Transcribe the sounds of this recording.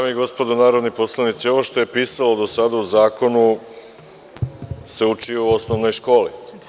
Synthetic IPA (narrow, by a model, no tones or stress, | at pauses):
amiɡo̞spo̞d̪onaːɾo̞d̪nipo̞slˠanit̪sio̞ʋoʃt̪o̞jepiːsalo̞d̪o̞sad̪auzaːko̞nu | se̞ut͡ʃiouo̞sno̞ʋno̞jʃko̞ːli